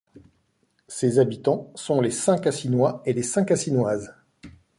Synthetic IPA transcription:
sezabit̪ɑ̃sɔ̃lesɛ̃kasinwaelesɛ̃kasinwaz

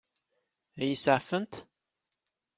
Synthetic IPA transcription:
æjisaʕfənt̪

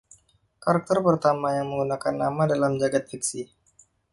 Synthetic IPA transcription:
kaɾak̚t̪ərpərt̪amajaŋməŋɡunakanːamadalamd͡ʒaɡat̪̚ɛksi

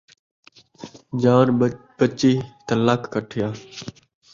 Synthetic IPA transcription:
d͡ʒaːnpət͡ʃiːt̪əlaːkkəʈʰɪjaː

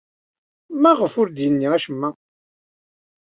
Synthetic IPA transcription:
mæʁəfʊɾd̪jənːiæʃəmːæ

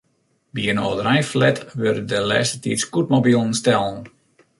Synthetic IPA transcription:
biənoːdəɾɛjflɛtʋørədəlɛ̰ːsətitskut̚mobilˠən̩stɛlˠən̩

